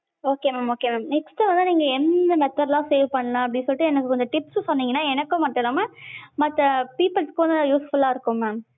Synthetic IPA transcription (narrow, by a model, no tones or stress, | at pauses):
oːkeːmaːmoːkemaːmnɛksʈɯʋɐnd̪ɯniːŋɡɐɛnd̪ɐmɛt̪ːɐɾlãːseːʋpɐɳːɐlãːɐp̬ːɐɽɪnsɔlʈːɯɛnɐk̬ːɯkɔɲd͡ʒɐʈɪpssɔnːiːŋɡɐnːaːɛnɐkːʊ̃mɐʈːɐlaːmamɐt̪ːɐpiːpːɐlskːʋɐnd̪ɯjuːsfʊlaːɪɾɯkːʊ̃mmaːm